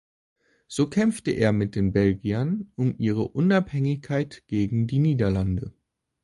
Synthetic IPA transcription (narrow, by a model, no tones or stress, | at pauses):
z̥oːkʰɛmftəʔḛːɐmɪt̚d̥eːnbɛlɡiɐnʔʊmʔiːʁ̞əʔʊnaphɛŋɪçkʰaɪtɡ̥eːɡŋ̩diːniːdɐlandə